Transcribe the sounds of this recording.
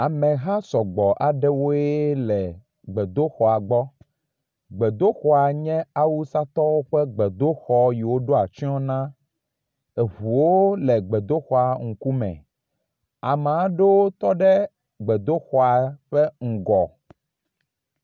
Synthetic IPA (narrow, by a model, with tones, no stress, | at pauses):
a˨mɛ̃˨ɦa˦sɔ˨ɡ͡bɔ˨ʔa˨ɖɛ˦wo˦ɛ˦lɛ˨ | ɡ͡bɛ˨d̪o˦xɔ˨a˨ɡ͡bɔ˦ | ɡ͡bɛ˨d̪o˦xɔ˦a˨ɲɛ̃˦a˦wu˦sa˦t̪ɔ˦wo˦ɸɛ˦ɡ͡bɛ˨d̪o˦xɔ˨ji˨wo˦ɖo˦a˨t͡ʃi˦ɔ̃˦nã˦ | e˨ɦu˨wo˦lɛ˨ɡ͡bɛ˨d̪o˦xɔ˨a˨ŋ̩˨ku˦mɛ̰̃˨ | a˨me˨a˦ɖe˦wo˦t̪ɔ˦ɖɛ˦ | ɡ͡bɛ˨d̪o˦xɔ˨a˨˦ɸɛ˦ŋ̩˨ɡɔ˨